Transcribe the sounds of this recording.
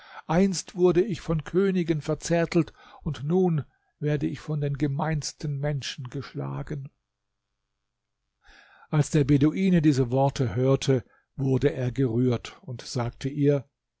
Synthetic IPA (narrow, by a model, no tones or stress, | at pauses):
ʔaɪnstv̥ʊɐdəɪçfɔnkʰøːnɪɡənfɛɐt͡sɛɐtʰl̩tʊntnuːn | veːɐdəɪçfɔndeːnɡəmaɪnstənmɛnʃn̩ɡəʃla̰ːɡən | ʔalsd̥eːɐbedoʔiːnədiːzəvɔɐtʰəhøːɐtʰə | vʊɐdəʔeːɐɡəʁyːɐtʊntz̥aːk̚tʰəʔiːɐ